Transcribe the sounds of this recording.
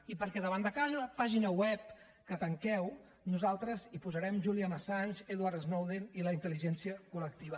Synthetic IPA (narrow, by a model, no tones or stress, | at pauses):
ipəɾkɛðəβ̞and̪əkazələpaʒinəwɛp̚ | kət̪əŋkɛw | nuzalˠt̪ɾəzipuzəɾɛmʒuliəməsanʲzeðwaɾt̪eznowðeniləint̪əliʒɛnsiəkulək̚t̪iβə